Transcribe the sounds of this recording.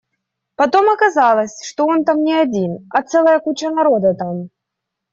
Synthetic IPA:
pɐt̪o̞mɐkɐzɑlˠɐsʲʂt̪oont̪amnʲɪɐd͡zʲinɐt̪sɛlˠəjɐkut͡ɕɐnɐɾo̞d̪ɐt̪am

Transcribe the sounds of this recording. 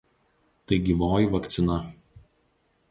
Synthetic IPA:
t̪ɐɪɡʲiːʋoːjɪʋɐkt̪sʲɪnɐ

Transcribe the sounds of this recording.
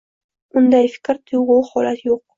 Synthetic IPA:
ʊnd̪ajfɪ̥kʲɾt̪ʰʊjʁʊhɒlat̪joq̚

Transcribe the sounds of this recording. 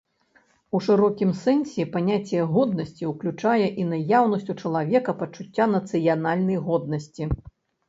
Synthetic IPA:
uʂɨɾɔkʲimsɛnsʲɛpanʲat͡sʲjɛɣɔd̪̚nɐsʲt͡sʲiwklʲut͡ʂajɛʔinɐjawnɐsʲt͡sʲut͡ʂɐlˠavʲɛkɐpɐt͡ʂut͡sʲːanɐt̪sɨjanalʲnɐjɣɔd̪nɐsʲt͡sʲi

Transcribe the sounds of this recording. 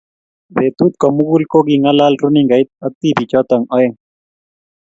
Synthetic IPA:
βet̪ut̪̚kɔmuɡulkoɡiŋalaːlɾuniŋɡajt̪̚ɐt̪ːibit͡ʃɔt̪ɐŋɔeŋ

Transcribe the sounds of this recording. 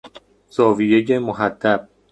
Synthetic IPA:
z̥ɒːvijejemoɦæd̪̥ːæb̚

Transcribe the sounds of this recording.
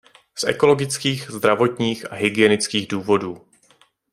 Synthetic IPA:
sʔɛ̰ko̞lo̞ɡɪt͡skiːxzd̪ɾavo̞t̪ɲiːxʔaɦɪɡɪjɛnɪt͡skiːɣduːvo̞duː

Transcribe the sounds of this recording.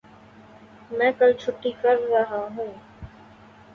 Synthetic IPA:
mɛ̃ːkɐlt͡ʃʰʊʈːikɐɾːɐɦaɦũː

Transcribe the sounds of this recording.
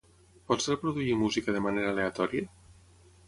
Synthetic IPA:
pɔt̪seɾpɾoðuimuzikaðemaneɾaːleat̪ɔɾia

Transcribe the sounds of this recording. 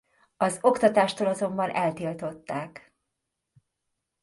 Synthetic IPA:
ɒzo̞kt̪ɒt̪aːʃt̪oːlɒzo̞mbɒnʔɛlt̪ilt̪o̞t̪ːaːk

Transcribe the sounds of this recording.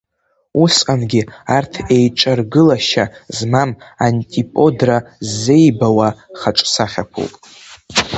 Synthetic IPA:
usqʼanɡʲiartʰe̞jʈ͡ʂʼarɡɨlaʃazmamantʼipʼo̞drazːe̞jbawaχaʈ͡ʂʼsaχʲakʷʰṵwpʼ

